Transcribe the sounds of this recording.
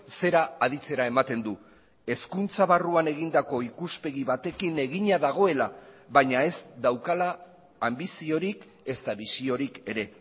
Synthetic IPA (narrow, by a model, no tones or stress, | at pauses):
se̞ɾaːð̞it͡se̞ɾae̞mat̪e̞nd̪u | e̞skunt͡saβaruane̞ɣ̞ind̪ako̞ikuspe̞ɣiβat̪e̞kine̞ɣiɲaðaɣ̞o̞e̞laβaɲae̞sd̪awkalaː | mbisio̞ɾik | e̞st̪aβisio̞ɾike̞ɾe̞